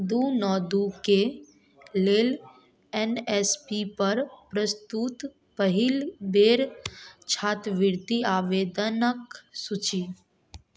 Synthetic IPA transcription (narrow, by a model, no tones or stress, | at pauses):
d̪unɔːd̪uke | leːl | enɛspipəɾpɾəst̪ut̪ | pəɦɪlbeːɾt͡ʃʰaːt̪ʋɪɾt̪iaːʋeːd̪ənəksut͡ʃi